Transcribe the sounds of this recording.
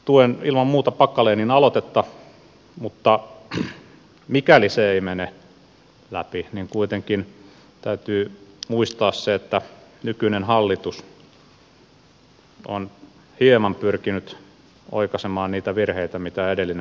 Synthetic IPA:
t̪uenilmɑmmuːt̪ɑpɑkːɑleːninɑlot̪et̪ːɑ | mut̪ːɑ | mikæliseeimene | læpiniŋkuit̪eŋkin | t̪æyt̪yːmuist̪ɑːsseet̪ːænykynenhɑlːit̪us | o̰n | hiemɑmpyrkinyt̪ | o̰ikɑsemɑːnniːt̪æʋirheit̪æmit̪æedelːin

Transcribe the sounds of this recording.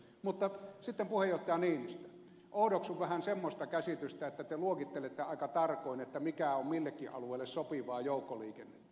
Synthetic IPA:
mut̪ːɑsit̪ːempuhejjoht̪ːˑɑjɑniːnist̪æ̥ | ʔoˑudoksuʋʋæhænsemːost̪ɑkæsit̪yst̪æet̪ːæt̪eluokit̪ːelet̪ːeɑˑikɑt̪ɑrkoˑinet̪ːæmikæommilːekːiʔɑ̰lueilːessopiʋɑːjoˑukːoliːkenːet̪ːæ̥

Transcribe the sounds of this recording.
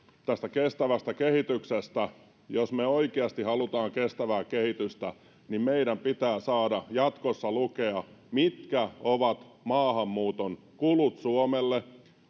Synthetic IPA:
t̪æst̪ækest̪æʋæst̪ækehit̪yksest̪æ | josmeoikeɑst̪ihɑlut̪ɑːŋkest̪æʋæːkehit̪yst̪æ | nimmeiɾæmpit̪æːsɑːdɑjɑt̪kosːɑlukeɑmit̪kæoʋɑt̪mɑːhɑmːuːt̪on | kulut̪suomelːe

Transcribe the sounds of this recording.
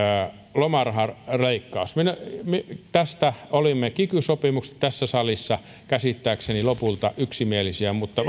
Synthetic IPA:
lomɑrhɑrreikːɑusmenmet̪æst̪æolimːekikysopimuksĕ̥t̪æsːæsɑlisːɑ | kæsit̪ːæːksenilopult̪ɑʔyksimielisiæmut̪ːɑ

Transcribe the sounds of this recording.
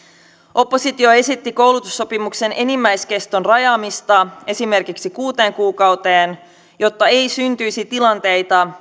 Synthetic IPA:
ʔo̞pːo̞sit̪ioe̞sit̪ːiko̞wlut̪usːo̞pimukse̞nʔe̞nimːæjsk̟e̞st̪onrɑjɑːmist̪ɑe̞sime̞rkiksikuːt̪e̞ːŋkuːkɑwt̪eːn | jo̞t̪ːɑe̞jsynt̪yjsit̪ilɑnt̪e̞jt̪ɑ

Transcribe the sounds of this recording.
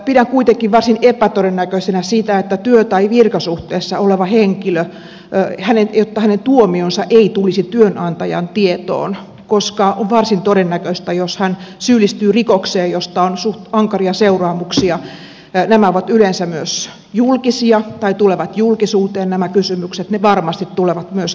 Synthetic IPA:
pidæŋkuit̪eŋkiʋʋɑrsinepæt̪oɾenːækøsenæsit̪æet̪ːæt̪yøt̪ɑiʋirkɑsuht̪eːsːɑoleʋɑheŋkilø | hænenjot̪ːɑhænent̪uomionsɑʔeit̪ulisit̪yønʔɑnt̪ɑjɑ̰nt̪iet̪o̰ːn | koskɑoʋʋɑrsint̪oɾenːækøst̪æjoshænsyːlist̪yːrikokseːjjost̪ɑonsuɑŋkɑriɑseurɑːmuksiɑ | næmæoʋɑt̪ylensæmyøs | julkisiɑt̪ɑit̪uleʋɑt̪julkisuːt̪eːnnæmækysymykset̪neʋɑrmɑst̪it̪t̪uleʋɑt̪myøs

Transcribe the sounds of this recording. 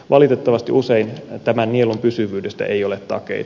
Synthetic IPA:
ʋʔɑlit̪et̪ːɑʋɑst̪iʔuseint̪æmænːielumpysyʋyːdest̪æ̰ʔejo̞let̪t̪ɑ̰kḛi

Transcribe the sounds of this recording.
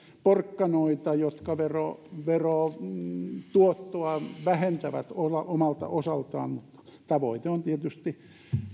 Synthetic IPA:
porkːɑnoit̪ɑjot̪kɑʋero̰ʋeroː | t̪uot̪ːoɑʋæhent̪æʋæ̰t̪olɑʔomɑlt̪ɑ̰ʔosɑlt̪ɑ̰ːnmut̪ːɑ̥t̪ɑʋoit̪eont̪iet̪yst̪i

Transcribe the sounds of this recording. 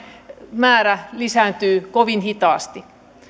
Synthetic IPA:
mæːɾælisænt̪yːkoʋinhit̪ɑːst̪i

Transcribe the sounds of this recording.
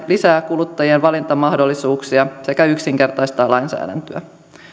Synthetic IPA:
lisæːkulut̪ːɑjienʋɑlint̪ɑmɑɦdo̞lːisuːksiɑse̞kæyksiŋke̞rt̪ɑjst̪ɑːlɑjnsæ̰ːdæ̰nt̪øæ̰

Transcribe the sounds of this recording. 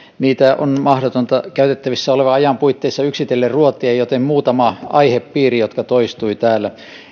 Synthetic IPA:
niːt̪æʔo̰nmɑhɾot̪ont̪ɑkæyt̪et̪ːæʋisːæoleʋɑɑjɑmpuit̪ːeisːɑyksit̪elːerruot̪ˑiejot̪emmuːt̪ɑmɑɑiheppiːrijot̪kɑt̪oist̪uit̪æːlːæ

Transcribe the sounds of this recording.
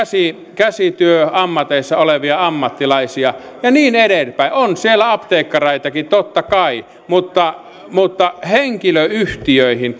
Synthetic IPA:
si | kæsit̪yøɑmːɑt̪eˑisːɑoleʋiɑɑmːɑt̪ːilɑisiɑ | jɑniːneɾelpæˑiʔonsielːˑæɑpt̪eikːɑrɑit̪ɑkit̪ot̪ːɑkɑi | mut̪ːɑ | mut̪ːɑheŋkiløyht̪iøˑihin

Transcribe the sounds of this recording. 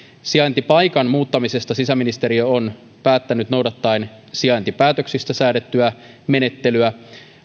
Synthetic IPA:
siɑjnt̪ipɑjkɑnmuːt̪ːɑmise̞st̪ɑsisæmːinist̪e̞ɾiøon | pæːt̪ːænyt̪no̞wdɑt̪ːɑen | siɑjnt̪ipæːt̪øksist̪æsæːdet̪ːyæ | me̞ne̞t̪ːe̞lyæ

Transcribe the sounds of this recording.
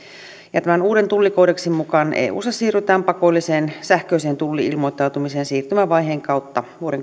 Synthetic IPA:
jɑt̪æmænuːdent̪ulːikoːdeksimmukɑnʔḛːʔṵːsɑsiːryt̪æːmpɑkolːiseːnsæhkøiseːnt̪ulːiilmojt̪ːˑɑˑut̪umiseːnsiːrt̪ymæʋɑjɦeːŋkɑˑut̪ːɑʋuoɾeŋ

